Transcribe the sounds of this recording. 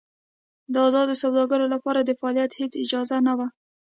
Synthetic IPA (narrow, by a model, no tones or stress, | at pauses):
d̪əazɑd̪osawd̪ɑɡəɾolapɑɾad̪əfaɑlijat̪het͡sɪd͡ʒɑzanawa